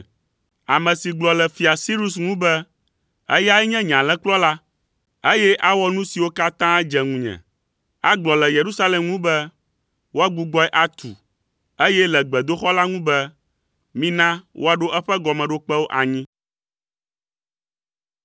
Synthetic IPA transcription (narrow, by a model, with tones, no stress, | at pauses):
a˨mɛ̃˨si˨ɡ͡blɔ˨lɛ˨fi˨a˨si˦ɾu˦s̬ŋũ˦bɛ˦ | ə̰˦ja˦ɛ˦ɲɛ̃˦ɲã˨lɛ̃˦k͡plɔ˦la˦ | e˦jɛ˦ʔa˦wɔ˦nũ˦si˨wo˦ka˦t̪ã˦d͡ʒɛ˨ŋũ˨ɲɛ̰̃˨ | a˦ɡ͡blɔ˨lɛ˨je˨ɾu˦sa˦lɛ˨mŋũ˦bɛ˦ | wo˦a˦ɡ͡bu˨ɡ͡bɔ˦ɛ˦ʔa˦t̪u˨ | e˦jɛ˦lɛ˨ɡ͡bɛ˨d̪o˦xɔ˦la˦ŋũ˦bɛ˦ | mĩ˦nã˦wʔo˦a˦ɖo˦ʔɛ˦ɸɛ˦ɡɔ˨mɛ̃˨ɖo˦k͡pɛ˦wo˦ʔa˨ɲĩ˦